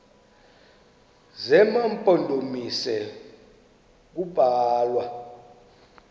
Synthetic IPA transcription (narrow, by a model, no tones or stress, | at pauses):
zɛmampʼɔndʱomisɛ | k̬ub̥ʱaːlwa